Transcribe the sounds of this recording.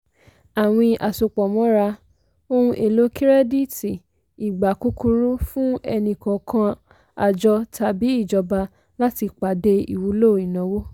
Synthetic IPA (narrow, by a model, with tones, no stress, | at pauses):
a˨w̃ĩ˧ʔa˨so˨k͡pɔ˨mɔ̃˨˦ɾa˧ | o˦ũ˧ʔe˨lo˨˦ki˦ɾɛ˦di˦ti˨ | i˨ɡ͡ba˨ku˦ku˧ɾu˦fũ˦ɛ˧nĩ˨kɔ̃˨kʰã˧ | a̰˨d͡ʒɔ˧ta˨bi˨˦i˦˨d͡ʒɔ˧ba˧ | la˦ti˧k͡pa˨de˧ḭ˨wu˨˦lo˦˨i˨nã˨˦wo˦